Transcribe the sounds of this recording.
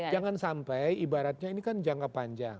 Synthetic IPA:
d͡ʒaŋansampajibaɾat̪̚ɲainikand͡ʒaŋkapaɲd͡ʒa̰ŋ

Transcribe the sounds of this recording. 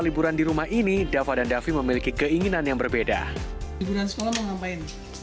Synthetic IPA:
libuɾandiɾumahinidafadandafiməmilikikəiŋinanjaŋbərbeda̰ibuɾansə̥kolaməŋampaɪn

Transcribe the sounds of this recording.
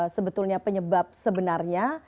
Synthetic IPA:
səbət̪ulɲapəɲəbap̚səbənarɲa

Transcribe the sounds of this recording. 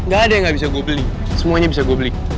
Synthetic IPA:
ŋɡadɛŋɡabisaɡɔbli | simɔɲɛbisaɡobli

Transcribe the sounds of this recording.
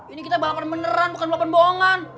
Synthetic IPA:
inikit̪abalapanbənəɾanbukanbalapanboŋan

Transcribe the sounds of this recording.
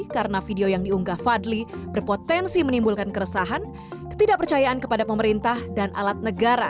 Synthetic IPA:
kaɾənafideojaŋdiuŋɡahfadlibərpot̪ɛnsimənimbulkankəɾəsaɦan | kə̥t̪idaʔpərt͡ʃajaʔankəpadapəməɾint̪ahdanʔa̰lat̪̚nəɡaɾa

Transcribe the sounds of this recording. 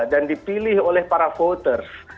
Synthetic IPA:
dandipilɪholɛhpaɾafot̪ərs

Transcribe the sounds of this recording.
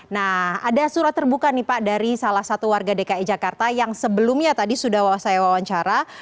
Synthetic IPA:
nahadasuɾat̪ːərbukanipaʔdaɾisalahsat̪uwarɡadekaid͡ʒakart̪ajaŋsəbəlʊmɲat̪adisudahwawasajawawaɲt͡ʃaɾa

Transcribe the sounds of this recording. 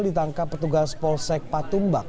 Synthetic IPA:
ldit̪aŋkapːərt̪uɡaspɔlsɛk̚pat̪umba

